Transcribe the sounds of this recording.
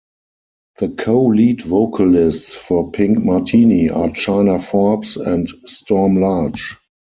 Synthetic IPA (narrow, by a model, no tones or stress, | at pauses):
ðəkʰoʊliːtvoʊkʰalɪstsfɔpʰɪ̃ŋkmatʰiniʔat͡ʃãɪnafɔpsɛ̃ntstɔmlad͡ʒ